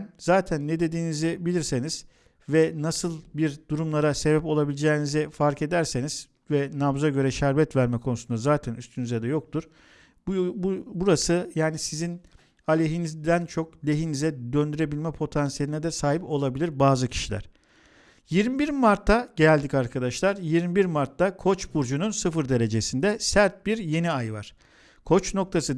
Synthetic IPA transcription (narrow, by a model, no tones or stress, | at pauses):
nzaːt̪ʰænːɛd̪e̞d̪iːnizɛbilʲiɾse̞niz̥ | vɛnasɯlˠbiɾd̪uɾumlˠaɾase̞bɛpo̞lˠabilʲid͡ʒɛːnizɛfaɾke̞d̪æɾseniz̥ | vɛnamzaɟø̞ɾɛʃæɾvɛt̪væɾmɛkʰo̞nusund̪azaːt̪ʰænyst̪ʰynyzɛd̪ɛjo̞k̚t̪ʰuɾ̥ | bbuɾasɯjaːnisizin | alʲeɦinizd̪ænt͡ʃʰo̞klʲe̞ɦinizɛd̪ønd̪yɾe̞bilʲmɛpʰo̞t̪ʰansije̞lʲinɛd̪ɛsaːɦipo̞lˠabilʲiɾbaːzɯcʰi̥ʃilʲæ̰ɾ̥ | jiɾmibiɾmaɾt̪ʰːaɟelʲd̪icaɾkʰad̪aʃlˠaɾjiɾmibiɾmaɾt̪ʰːakʰo̞t͡ʃbuɾd͡ʒununsɯfɯɾd̪e̞ɾe̞d͡ʒe̞sind̪ɛsæɾt̪̚biɾje̞niajvaɾ̥ | kʰo̞t͡ʃno̞kt̪ʰasɯ